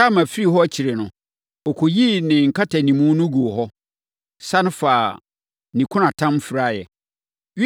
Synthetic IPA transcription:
a˦mã˨fi˦ɾi˦ɦɔ˦æ˦t͡ɕʰi˨ɾe˨nʊ̰̃˨ | ɔ˨kʰɔ˨ji˦nɪ̃˨ŋ̩˨kʰa˦tʰa˨nĩ˨mũ˦nʊ̃˦ɡu˨o˨ɦɔ˦ | sa˦nʊ̃˦faː˨ | nĩ˨kʰʊ̃˦nã˨tʰã˦mfɪ˨ɾa˦jɛ̰˨ | ɥ

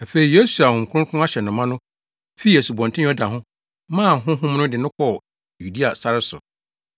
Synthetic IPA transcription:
a˨fe˨ɾi˨jo˦su˨a˨hʊ̃˨m̩˨kʰʊ̃˦kʰʊ̃˦a˦ɕɛ˨nʊ̃˨mã˦nʊ̃˦ | fi˦e˨su˨bɔ̃˨ntʰɪ̃˦ɔ˦da˨ɦʊ̃˦ | mã˦˨ɦʊ̃˦ɦʊ̃˦mnʊ̃˦dɪ˨nʊ̃˦kʰɔ˦˨ | ju˨di˦a˨sa˦ɾɪ˦sʊ̰˨

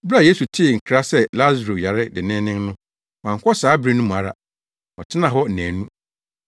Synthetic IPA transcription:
bɾa˦˨je˦su˨tʰɪ˦˨ŋ̩˨kʰɾa˦sɛ˦la˦zɾo˨ja˨ɾɪ˦dɪ˨nɪ̃˦nɪ̃˦nnʊ̃˦ | wã˨ŋ̩˨kʷʰɔ˦saː˨˦bɾi˦nũ˦mũ˨a˨ɾa̰˨ | ɔ˨tʰɪ˦nã˨ɦɔ˦˨næ̃ː˨nũ˦

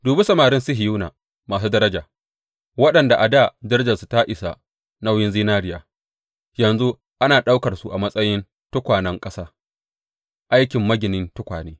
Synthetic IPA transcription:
duː˨bɪ˦sɐ˦maː˨ɾɪ˦nsʊ˦ɦɪ˨ju˦na̰ː˨ | maː˨s̬uː˦dɐ˦ɾɐ˦d͡ʒaː˨ | wɐ˦ɗɐ˨nda˨ʔa˨da˦˨d͡ʒɐ˦ɾd͡ʒɐ˨su˨ta˦ʔɪ˨sa̰˨ | na˦wjɪ˦nziː˦naː˦ɾɪ˦jaː˨ | jɐ˨nzu˦ | ʔa˦naː˨ɗa˦wkɐ˨rsu˦ʔa˨mɐ˦sʼɐ˦jɪ˦n | tʊ˦kʷaː˨nɐ˦ŋkʼɐ˦saː˦ | ʔa˦jkʲɪ˨mːɐ˦ɡʲɪ˨nɪ˦ntʊ˦kʷaː˨neː˦

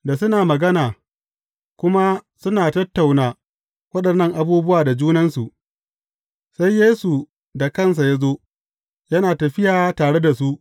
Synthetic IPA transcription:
da˨sʊ˦naː˨mɐ˨ɡɐ˦naː˨ | kʷʊ˦ma˦sʊ˦naː˨tɐ˦tːa˨wnaː˨ | wɐ˦ɗɐ˨nːɐ˦˨ŋʔa˨buː˦bʊ˦waː˨da˨d͡ʒuː˦nɐ˦nsu˨ʔ | sa˦jːeː˦su˨ | da˨kɐ˦˨ns̬a˨ja˦zoː˦ | jɐ˦naː˨tɐ˨ɸɪ˦jaː˨taː˨ɽe˦da˨su˦ʔ

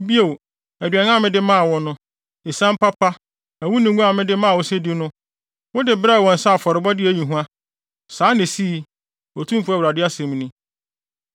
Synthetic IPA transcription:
bi˦o˨w | æ˨dɥa˨ŋ˦ã˦˨mɪ̃˦dɪ˦mã˦a˨wɔ̃˦nʊ̃˦ | e˨sã˦m˦pa˦pʰa˦ | æ˨wu˦nĩ˨˦ɡũ˦a˨mɪ̃˦dɪ˦mã˦˨wʊ˦se˦di˦nʊ̃˦ | wʊ˦dɪ˨bɾa˦˨wɔ̃˨n̩˨sa˦˨fɔ˨ɾɪ˨bɔ˦dɪ˦æ˨ɲĩ˨ɦũ˦a˦ | saː˨˦nɪ̃˨si˦˨˦ | wɔ˨tʰũ˦m˦fu˦æ˦wɾa˨dɪ˦a˦sɛ̃˨m˦nĩ˦

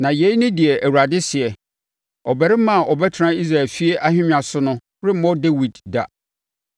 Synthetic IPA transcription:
nã˨je˨˦i˦nʊ̃˦dɪ˨ɛ˨ʔæ˨wu˨ɾa˨dɪ˦sɪ˨ɛ˨ | ɔ˨bɛ˨ɾɪ˦mã˦˨ʔɔ˨bɛ˦tʰɾã˦i˦s̬ɾa˨ɛ˨lfi˦e˦ʔa˦hᶣɪ̃˦m˦ã˨sʊ˦nʊ̃˦ | ɾɪ˦m˦mɔ̃˦de˦wi˨dːa̰˨

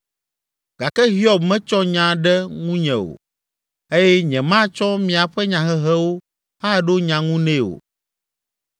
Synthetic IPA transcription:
ɡ̥a˨kɛ˦ɦi˦ɔ˨bmɛ̃˦t͡ʃɔ˦ɲã˨ɖɛ˦ŋũ˦ɲɛ̃˨o̰˨ | e˦jɛ˦ɲɛ̃˨mã˦t͡ʃɔ˦mĩ˨a˨ɸɛ˦ɲã˨ɦɛ˦ɦɛ˦wo˦ | ha˦ɖo˦ɲã˨ŋũ˦nẽ˦o̰˨

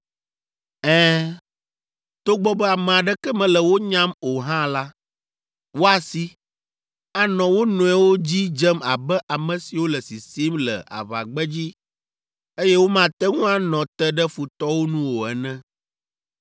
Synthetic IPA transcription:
ɛ̃ː˦ | t̪o˦ɡ͡bɔ˦bɛ˦a˨mɛ̃˨a˨ɖɛ˦kɛ˦mɛ̃˨lɛ˨wo˦ɲã˦mo˨ɦã˦la˦ | wo˦a˨si˦ | a˦nɔ̃˨wo˦nɔ̃˨ɛ˨wo˦d͡ʑi˦d͡ʒɛ˦ma˨bɛ˦ʔa˨mɛ̃˨si˨wo˦lɛ˨si˨si˦mlɛ̰˨a̰˨βa̰˨ɡ͡bɛ˦d͡ʑi˦ | e˦jɛ˦wo˦mã˨t̪ɛ˦ŋũ˦a˦nɔ̃˨t̪ɛ˦ɖɛ˦fu˨t̪ɔ˦wo˦nũ˦wo˨ɛ˨nɛ̃˦

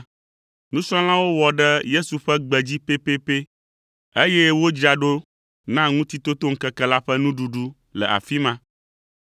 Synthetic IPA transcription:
nũ˦sɔ̃˦l̃ã˦wo˦wɔ˨ɖɛ˦je˦su˨ɸɛ˦ɡ͡bɛ˨d͡ʑi˦pe˦pe˦pe˦ | e˦je˦wo˦d͡ʑa˨ɖo˦ | nã˦ŋũ˦t̪i˦t̪o˦t̪o˦ŋ̩˦kɛ˦kɛ˦la˦ɸɛ˦nũ˦ɖu˨ɖu˦ | lɛ̰˨ʔa̰˨fi˦mã˦

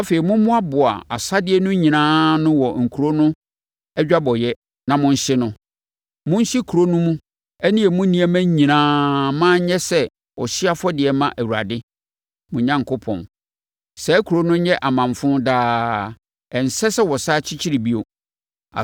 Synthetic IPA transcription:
a˦fe˨i˨mʊ̃˦mʊ̃˦a˦bʊ˨a̰˨a˨sa˦dɪ˦ɛ˦nʊ̃˦ɲĩ˨nãː˦nʊ̃˦wɔ˨ŋ̩˨kʰu˨ɾo˦nʊ̃˦ | ɛ˦d͡ʑᶣa˦bɔ˨jɛ˦ | nã˨mʊ̃˦n̩˦ɕɪ˦nʊ̃˦ | mʊ̃˦n̩˦ɕɪ˦kʰu˨ɾo˦nũ˦mũ˦ | ɛ˦nĩ˦ɛ˨mʊ̃˦nĩ˦æ˦mæ̃˦ɲĩ˨nãː˦mãː˦ɲɛ̃˦sɛ˦ | ɔ˨ɕɪ˦a˦fɔ˦dɪ˨ɛ˨mã˦ʔæ˨wu˨ɾa̰˨dɪ˦ | mʊ̃˨ɲã˦ŋkʰʊ˦pʰɔ̰̃˨n | sɛ˨˦kʰu˨ɾo˦nʊ̃˦ɲɛ̃˦ʔa˨mã˨ɱfʊ̃˦ndaː˦ | ɛ˨n̩˨sɛ˦sɛ˦wɔ˨saː˦t͡ɕʰɪ˦t͡ɕʰi˦ɾi˨bi˦o˨ | a̰˨

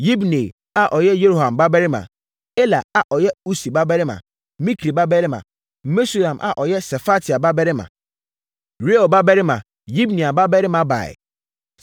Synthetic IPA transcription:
ji˦bne˨ | a˦ʔɔ˨jɛ˦je˦ɾo˦˨hã˨mba˦bɛ˦ɾɪ˦mã̰˨ | e˦la˨a˨ʔɔ˨jɛ˦u˦si˨ba˦bɛ˦ɾɪ˦mã̰˨ | mĩ˦kʰɾi˨ba˦bɛ˦ɾɪ˦mã̰˨˦ | me˦su˦˨ɾã˨mʔa̰˨ʔɔ˨jɛ˦sɛ˨fa˦tʰi˨a˨ba˦bɛ˦ɾɪ˦mã̰˨ | ɾe˦o˨ba˦bɛ˦ɾɪ˦mã̰˨ | ji˦bnĩ˨a˨ba˦bɛ˦ɾɪ˦mã˨ba̰˨ɛ̰˨

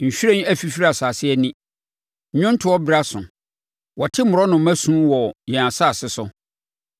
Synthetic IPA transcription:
ɲ̩˨ɕᶣɾẽ˦n˦æ˦fi˨fi˦ɾa˨saː˨sɪ˦ɛ˦nĩ˦˨ | ɲʊ̃˦n̩˦tʰɪ˨wɔ˦bɪ˨ɾa˦sʊ̰̃˨ | wɔ˨tʰɪ˦mʊ˨ɾɔ˦nʊ̃˨˦mæ˦sũ˦wɔ˨jɛ̃˨a˨sa˦˨sɪ˦sʊ˨

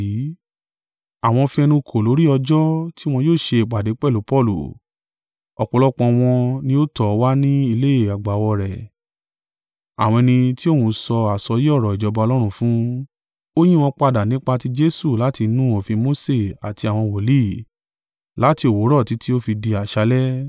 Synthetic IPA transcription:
a˨w̃ɔ̃˧fĩ˧ɛ˧nũ˧kʰo˨lo˨˦ɾi˦ɔ˧d͡ʒɔ˦ti˦w̃ɔ̃˧joː˦˨ʃe˧˨k͡pa˨de˨˦k͡pɛ˦˨lu˨˦pɔ˦˨lṵ˨ | ɔ˨k͡pɔ˨˧lɔ˦k͡pɔ̃˧w̃ɔ̃˧nĩ˧˦o˦tɔ˨˧wa˦nĩ˦i˧le˦e˦˨a˨ɡ͡ba˨˦wɔ˧ɾɛ˨ | a̰˨w̃ɔ̃˧ɛ˧nĩ˧ti˦o˦˨hũ˧sɔ˧a˨sɔ˧ji˦ɔ˦˨ɾɔ˨i˨d͡ʒɔ˨˧˦ba˧ɔ˧lɔ˦ɾ̃ũ˧fũ˦ | o˦j̃ĩ˦w̃ɔ̃˧k͡pa˧da˨nĩ˨˦k͡pa˧ti˦d͡ʒe˦su˦˨la˨˦ti˧nũ˦o˨fĩ˧mo˦se˦˨a̰˨ti˧a˨w̃ɔ̃˧wɔ˨li˦˨ | la˨˦ti˧o˨wo˨˦ɾɔ˦˨ti˨˦ti˦o˦fi˧di˧a˨ʃa˧˦lɛ˦

